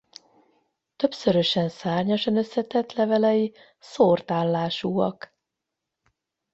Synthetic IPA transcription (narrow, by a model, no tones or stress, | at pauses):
t̪ø̞psøɾøʃɛnsaːrɲɒʃɒnø̞sːɛt̪ɛt̪lɛvɛlɛji | soːrt̪aːlːaːʃuːɒ̰k